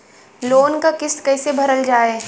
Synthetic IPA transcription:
loːnkakɪskɛːsebʱɐɾəld͡ʒaːeɛ

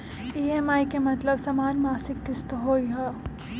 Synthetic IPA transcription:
iːɛːmaːikemɐt̪ləbsɐmaːnmaːsɪkːɪst̪ɦoːiɦoː

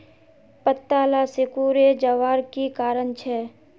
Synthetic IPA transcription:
pət̪ːaːlasɪkuːɾed͡ʒəʋaːɾkikaːɾənt͡ʃʰɛː

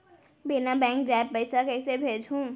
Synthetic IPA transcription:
binabɛ̃ːŋk̚d͡ʒaːebpəɪsakɛɪsebʱeːd͡ʒɦũː

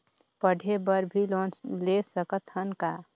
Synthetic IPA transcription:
pəɽʱebəɾbʱilɔ̃ːlesəkət̪hənka

